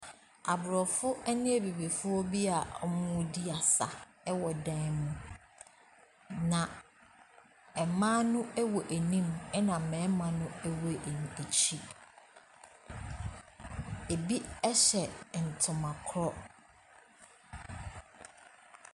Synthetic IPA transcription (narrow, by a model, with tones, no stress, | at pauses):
a˨bʊ˨ɾɔ˨fʊ˦ɛ˦nɪ̃˦ɛ˦˨bi˨bi˨fʊ˦ɔ˦bi˦a˨ɔ˦mʊ̃˦ʊ̃˦di˦a˨sa̰˨ | ɛ˦wɔ˨dã˦nmũ˦ | nã˨ | ɛ˨mãː˦nʊ̃˦ɛ˦wɔ˨ʔæ˨nĩ˦mɛ˦nã˨m̩˨mɛ̃ː˨˦mã˨nʊ̃˦ɛ˦wɔ˦˨ʔn˨e˨t͡ɕʰi˦ | e˨bi˦ɛ˦ɕɛ˨n̩˨tʰʊ̃˨mã˨kʰɾɔ˦